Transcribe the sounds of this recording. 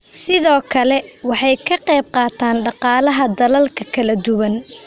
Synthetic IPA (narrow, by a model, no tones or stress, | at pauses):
sɪðɔːkʰɐlɛwɑħɑjkʰɐqɛjb̚qɑːt̪ʰaːnɖɑqɑːlɐɦɐd̪ɐlɐlkʰɐkʰɐlɐd̪ʊwɐn